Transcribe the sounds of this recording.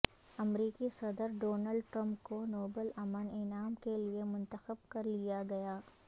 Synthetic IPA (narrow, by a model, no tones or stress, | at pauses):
ɐmɾiːkisɐd̪əɾɖoːnəlɖʈɾɐ̃mp̚konoːbəlɐmənɪnaːmkeliemʊ̃nt̪əxəb̚kɐɾlijaɡɐjaː